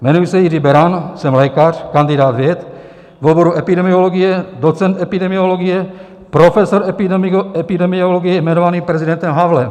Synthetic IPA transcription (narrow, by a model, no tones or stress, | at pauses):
mɛnujsɛjɪribɛɾansɛmlɛkar̝̥kand̪ɪdaːt̪vjɛt̪ | voboɾuʔɛpɪdɛmioloɡɪjɛdot͡sɛnt̪ɛpidɛmioloɡɪjɛ | pɾofɛsoɾ | ɛpɪdɛmioloɡɪjɛjmɛnovaniːpɾɛzidɛnt̪ɛmɦavlɛm